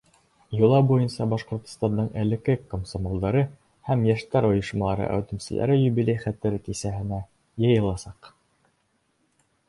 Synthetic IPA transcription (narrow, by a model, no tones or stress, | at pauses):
jŭlˠɑbujɤnsɑbɑʃqŏɾt̪ŏ̥st̪ɑnd̪ɤɴʔɘ̆lɘ̆kɘkomsomolˠd̪ɑɾɤ | hæmjæʃt̪æɾŏjɤ̆ʃmɑlˠɑɾɤ̰ʔæ̰wt̪ɘ̆msɘ̆lʔæ̰ɾɘjʉβilʲæjχæt̪ːɘɾɘk̪isæhɘ̆næ | jɤ̆jɤ̆lˠɑsɑq